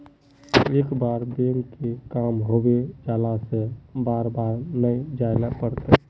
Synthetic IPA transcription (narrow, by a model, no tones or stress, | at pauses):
eːkbaːɾbelkekamɦobed͡ʒaːlasẽbaɾbaɾnəd͡ʒajlɛpəɾt̪ɛ